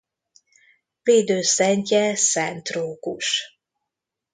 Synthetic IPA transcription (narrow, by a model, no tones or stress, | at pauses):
veːd̪øːsɛɲcɛsɛnt̪roːkṵʃ